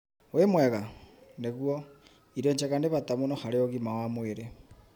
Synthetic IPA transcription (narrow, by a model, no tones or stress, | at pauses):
wemwɛɣaneɣwo | iɾoɲt͡ʃeɣandeβatamunoxaɾeoɣimawamweɾe